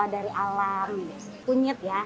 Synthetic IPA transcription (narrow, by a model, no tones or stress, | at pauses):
adaɾiʔalam | puɲəp̪̚ja